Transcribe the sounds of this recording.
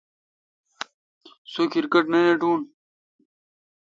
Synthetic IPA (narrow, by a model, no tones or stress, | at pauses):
sokʰiɾkɐʈnɐjeʈuːn